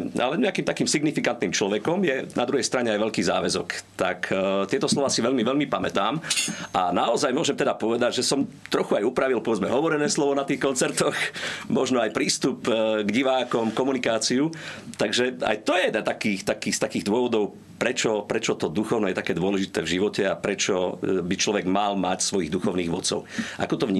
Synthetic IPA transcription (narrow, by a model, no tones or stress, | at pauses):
a̰lɛɲɛakiːmt̪akiːmsiɡnifikant̪niːmt͡ʃlɔʋɛkɔmjɛna̰d̪ɾuɦɛjst̪ɾaɲɛajʋɛʎkiːza̰ːʋɛzɔkt̪akʰt̪ɪɛt̪ɔslɔʋaːsiʋɛlmiʋɛlmipamɛt̪aːmʔanaɔzajmʊɔʒɛmt̪ɛd̪apɔʋɛd̪aɟʒɛsɔmt̪ɾɔxuajupɾaʋilˠpɔʋɛd͡zmɛɦɔʋɔɾɛnɛːslɔʋɔnat̪iːxkɔnt͡sɛɾt̪ɔxmɔʒnɔajpɾiːst̪upɡɟiʋaːkɔmkɔmunikaːt͡siut̪aɡʒɛa̰jt̪ɔjɛd̪ɛnt̪akiːxt̪akiːst̪akiːɣd̪ʊɔʋɔd̪ɔʊ | pɾɛt͡ʃɔpɾɛt͡ʃɔt̪ɔd̪uxɔʊnɛːjɛt̪akɛːd̪ʊɔlɛʒit̪ɛ̰ːvʒiʋɔcɛapɾɛt͡ʃɔbit͡ʃlɔʋɛɡmalmacsʋɔjiːɣd̪uxɔʊniːɣʋɔt̪t͡sɔ̰ʊʔa̰kɔt̪ɔʋɲi